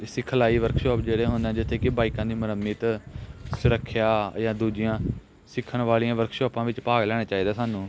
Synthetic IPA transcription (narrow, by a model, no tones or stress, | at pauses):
ɪsɪkʰːəlaːiːʋəɾkʰʃɔːpd͡ʒeːɽeːɦʊ̃nd̪ɛ̃ːd͡ʒɪt̪ʰːeːkɪbaːɪkãːd̪iːməɾəmːiːt̪sʊɾəkʰːjaːjãːd̪uːd͡ʒɪjãː | sɪkʰːəɳʋaːlijãːʋəɾkʰʃɔːpãːʋɪt͡ʃpaːɡlɛːɽ̃aːt͡ʃaːiːd̪aːsaːnũː